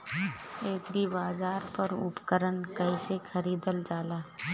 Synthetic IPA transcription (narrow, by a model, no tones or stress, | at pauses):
eːkɾibaːzaːɾpəɾʊ̰pkəɾənkəɪsekʰəɾiːd̪əld͡ʒaːlaː